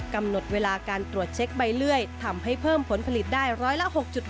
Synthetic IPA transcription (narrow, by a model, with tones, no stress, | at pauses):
ka˧mno˨˩t̪̚weː˧laː˧kaː˧nt̪ɾu˨˩ət̪̚t͡ɕʰe˦˥k̚ba˧jlɯ˥˩əjt̪ʰa˧mha˥˩jpʰɤː˥˩mpʰo˩˦npʰa˧li˨˩t̪̚daː˥˩jɾɔː˦˥jla˦˧˥ʔho˨˩k̚t͡ɕu˨˩t̪̚